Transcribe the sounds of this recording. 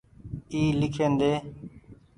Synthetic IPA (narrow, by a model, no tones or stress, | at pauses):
iːlɪkʰeːnd̪eː